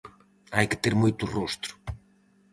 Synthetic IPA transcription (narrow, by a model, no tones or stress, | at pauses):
ajkɪ̥t̪eɾmojt̪ʊrost̪ɾʊ̥